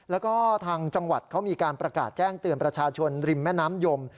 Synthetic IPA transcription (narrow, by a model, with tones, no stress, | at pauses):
lɛː˦˥wkɔː˥˩t̪ʰaː˧ŋt͡ɕa˧ŋwa̰˨˩t̪̚kʰa˦˥wmiː˧kaː˧npɾa˧kaː˨˩t̪̚t͡ɕɛː˥˩ŋt̪ɯ˨˧ənpɾa˧t͡ɕʰaː˧t͡ɕʰo˧nɾi˧mːɛː˥˩naː˦˥mjo˧m